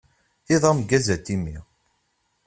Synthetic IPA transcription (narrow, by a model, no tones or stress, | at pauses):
iðˤɑmɡæzæt̪ːimi